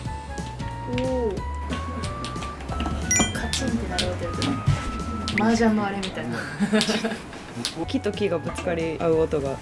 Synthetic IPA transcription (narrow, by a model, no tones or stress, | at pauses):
o | kʰat͡ɕĩnt̪ːe̞naɾɯot̪ojɯt̪ene | maʑãmoaɾemʲit̪aina | kʲit̪o̞kʲiɡabɯ̟t͡sɨ̥kaɾʲiaɯ̟ot̪o̞ɡa